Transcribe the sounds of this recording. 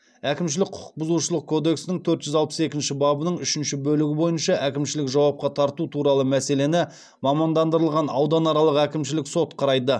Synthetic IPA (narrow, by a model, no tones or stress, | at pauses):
ækʲɪmʃ̬ɪlɪk̚qʰʊ̥ə̥q̚bʊzuʃəlˠəq̚kʰːo̞d̪e̞ksɪnɪŋt̪ʰɵɾt̪ʒʏzɑlˠpə̥se̞kʲɪnʃɪbɑbənəɴʏʃɪnʃɪbɵlɪɡʲɪbo̞jənʃɑʔækʲɪmʃɪlɪkʒɑwɑp̚qɑt̪ʰɑɾt̪ut̪ʰuɾɑlˠəmæse̞le̞nɪ | mɑmɑnd̪ɑnd̪əɾəlˠʁɑnɑ̰wd̪ɑnɑɾɑlˠəqækʲɪmʃɪlɪkso̞t̪qʰɑɾɑjd̪ə